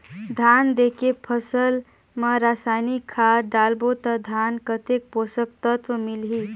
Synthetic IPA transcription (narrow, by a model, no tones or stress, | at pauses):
d̪ʱand̪ekepʰəsəl | məɾasajnikʰːaɖalbot̪əd̪ʱankət̪ek̚posək̚t̪ət̪ʋəmilɦi